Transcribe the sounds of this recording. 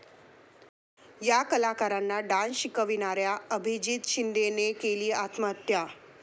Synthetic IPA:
jakəlakaɾanːaɖanɕikəʋinaɾjaəbʱid͡ʑit̪ɕind̪enekeliːat̪məət̪ja

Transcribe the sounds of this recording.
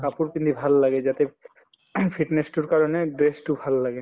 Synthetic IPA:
kapuɾkint̪ubʱalːaɡed͡ʑat̪e | pʰiʈnesʈuɾkaɾoneɖɾesʈubʱalːaɡe

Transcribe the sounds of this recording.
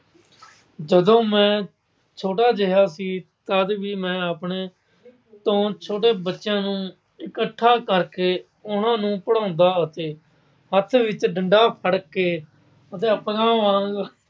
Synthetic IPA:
d͡ʒəd̪õːmɛ̃ː | t͡ʃʰoːʈaːd͡ʒəɦaːsiːt̪əd̪ʋiːmɛ̃ːapɳeː | t̪õːt͡ʃʰoːʈeːbətːʃjãːnũː | ɪkəʈʰːaːkəɾkeː | ʊnãːnũːpəɽãːnd̪aːət̪eː | ɦət̪ʰʋɪt͡ʃɖəɳɖaːpʰəɽkeː | ət̪eːəpəɡãːʋãːɡ

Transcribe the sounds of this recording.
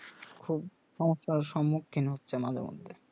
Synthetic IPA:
kʰub | ʃɔmoʃaɾʃɔmːukʰːinɦotːɕʰemad̪ʱḛɾmo̰d̪ʱːe

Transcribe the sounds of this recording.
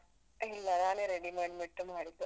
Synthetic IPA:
ɐɦilːɐɾaːneɾeɽimɐɽmiʈːumaːɽit̪ːu

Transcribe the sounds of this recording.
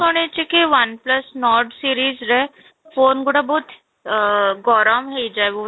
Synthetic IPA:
oɽ̃et͡ʃikiʋɐnplɐsnɔːɾɖsiːɾiːzɾɛ | foːnɡʊɽabɔːt̪ | ɡɔːɾamɦeid͡ʒaeʋo

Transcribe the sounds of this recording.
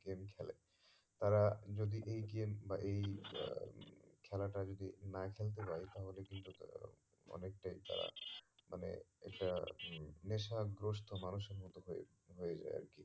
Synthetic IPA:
ɡemkʰɛlḛ | t̪aɾad͡ʑod̪iʔejɡembaʔej | kʰɛlaʈad͡ʑod̪inakʰelt̪̬epajt̪aɦolekint̪u | ɔ̰nek̚ʈajt̪a̰ɾa̰mʔa̰nḛɛk̚ʈa | neʃaɡɾoʃt̪ʰomanuʃeɾmot̪ːoɦoḛ | ɦojed͡ʑa̰ja̰ɾki

